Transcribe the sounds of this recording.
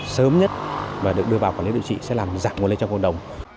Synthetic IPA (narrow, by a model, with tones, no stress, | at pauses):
səː˨˦mɲə˦˥t̚vaː˨˩ɨ˨˩ək̚ɨ˧əvaː˨˩wkaː˧˩li˨˦ɗḭ˧˨t͡ɕḭ˧˨sɛ̰˧˥laː˨˩mzaː˧˩ŋŋ˨˧˩ljt͡ɕɔ˧ŋ͡mko̰˧˨nɗə˨˩wŋ͡m